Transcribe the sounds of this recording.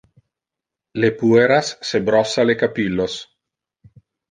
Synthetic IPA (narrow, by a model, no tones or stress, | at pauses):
lepueɾasːebɾɔsalekapilːos